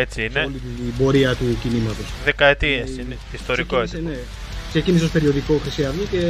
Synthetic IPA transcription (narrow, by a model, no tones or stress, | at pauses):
e̞t͡siineliibo̞ɾiɐt̪ucinimɐt̪o̞sðe̞kɐet̪iesineist̪o̞ɾiko̞eine | ksecinis̬eospe̞ɾio̞ðiko̞xɾisiɐðice